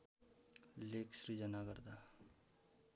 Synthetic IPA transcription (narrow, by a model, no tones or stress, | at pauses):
leːksɾid͡ʒənaɡəɾd̪a